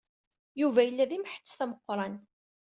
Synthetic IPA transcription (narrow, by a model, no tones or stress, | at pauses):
juvæjəlːæðimħə̥t͡sːθæməqːɾˤɑn